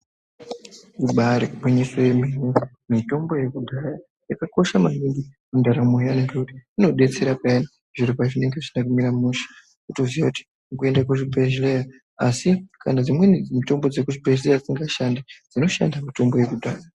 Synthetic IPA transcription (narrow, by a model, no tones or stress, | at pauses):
kuɓaɾekuɓoɲesojemene | mito̞mbo̞je̞kudʱaja | jakako̞ʃamaɦiŋɡimundaɾamoaneŋɡakuti̥ino̞ɗe̞t͡se̞ɾapaana | ʐ̥iɾipaʐine̞ŋɡe̞ʐinakumiɾamuʃḁ | kutozijakuti̥ | kue̞ndakuʐibʱeʒleja | asikʰa̰nad͡zimwenid͡zmito̞mbod͡zekuʐibʱeʒlejad͡ziŋɡaʃandid͡zino̞ʃa̰ndamito̞mbo̞je̞kudʱaːja